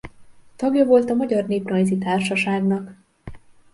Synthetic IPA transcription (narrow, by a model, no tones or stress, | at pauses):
t̪ɒɡjɒvo̞lt̪ɒmɒɟɒrneːprɒjzit̪aːrʃɒʃaːɡnɒk